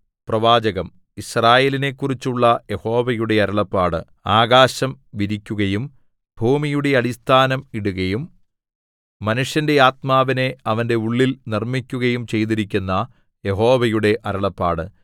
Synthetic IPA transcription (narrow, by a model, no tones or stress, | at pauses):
prɐʋaːd͡ʑɐɣɐm | israːje̞ːline̞kːurit͡ɕːuɭːɐje̞ho̞ːʋɐjuɽe̞ɐɾɐɭɐpːaːɽɨ̰ | aːɡaːɕɐmʋiɾikʲːuɣɐjum | bʱuːmijuɽe̞ɐɽist̪ʰaːnɐmiɽuɣɐjum | ɐnuʂjɐnde̞aːt̪̚maːʋine̞ɐʋɐnde̞uɭːilnirmikʲːuɣɐjumt͡ɕe̞jt̪iɾikʲːunːɐ | je̞ɦo̞ːʋɐjuɽe̞ʔɐɾɐɭɐpːa̰ːɽɨ̰